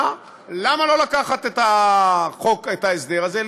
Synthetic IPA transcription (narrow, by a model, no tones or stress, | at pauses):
lamalo̞lakaχat̪etaχoket̪aesd̪eʁazel